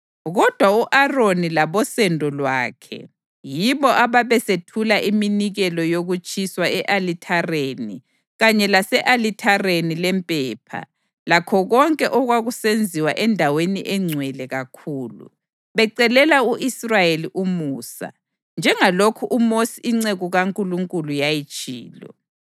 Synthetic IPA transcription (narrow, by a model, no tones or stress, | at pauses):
ɣɔd̥ʱwauʔaronilaβɔsɛndʱɔlwaːkʰɛ̰ | jiβɔʔaβaβɛsetʰulaʔiminiɣɛlɔjoɣut͡ʃʼiswaɛʔalitʰareni | ɣaɲɛlasɛʔalitʰarenilɛmpʼɛːpʰa̰ | lakʰɔɣɔŋkʼɛʔɔɣwaɣusend͡zʱiwaʔɛndʱaweniʔɛŋ͡ǀʱwɛlɛɣakʰuːlṵ | βɛǀɛlɛlauʔisrajeliʔumuːsa̰ | nd͡ʒʱɛŋalokʰuʔumosiːŋ͡ǀeɣuɣaŋkʼuluŋkʼulujajit͡ʃʼiːlɔ̰